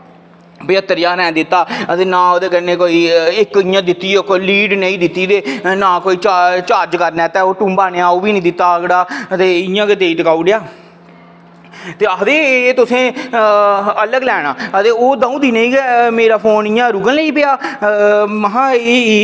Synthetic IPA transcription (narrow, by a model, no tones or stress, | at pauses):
bɪət̪ːəɾjaːnɛ̃ːd̪ɪt̪ːaːət̪eːnãːoːd̪eːkənẽːkoːiːɪkɪjãːd̪ɪt̪ːiːokoliːɖnəĩːd̪ɪt̪ːiːd̪eːnãːkoːiːt͡ʃat͡ʃaːd͡ʒkəɾnɛ̃ːt̪ɛːoːʈũːmbaːneːaːoːʋiːnĩːd̪ɪt̪ːaːəɡɽaːət̪eːɪjãːkeːd̪eːiʈəkaːuːɖɪjaː | t̪eːəd̪eːt̪ʊsẽː | ələɡlɛːɽãːət̪eːoːd̪aːũːd̪iːnəĩːɡɛːmeːɾaːpʰoːnɪjãːɾʊɡənleiːpɪaː | məɦãːeːiː